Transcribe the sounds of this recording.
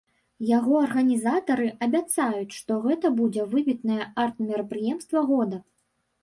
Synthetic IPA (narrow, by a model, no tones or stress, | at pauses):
jaɣɔɐrɣɐnʲizat̪ɐɾɨʔɐbʲat̪sajut͡sʲʂt̪ɔɣɛt̪ɐbud͡zʲɛvɨbʲit̪nɐjɛart̪̚mʲiɾɐpɾɨjɛmst̪vɐɣɔd̪ɐ